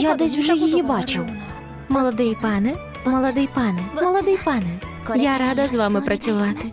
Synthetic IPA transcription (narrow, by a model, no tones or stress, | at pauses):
jad̪ɛsʲwʒɛjɔjibɑt͡ʃɪw | mɔlˠɔd̪ɪjpɑnɛ | mɔlˠɔd̪ɪjpɑnɛmɔlˠɔd̪ɪjpɑnɛ | jaɾɑd̪ɐzʋɑmɪpɾɐt͡sʲʊʋɑt̪ɪ̥